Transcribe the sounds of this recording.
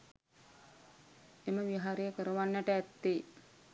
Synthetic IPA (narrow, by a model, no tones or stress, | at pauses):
eməʋiɦaɾejəkəɾəʋanːæʈəæt̪ːe